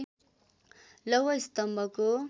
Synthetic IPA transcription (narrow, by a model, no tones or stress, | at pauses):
lʌwʌist̪ʌmbʱʌko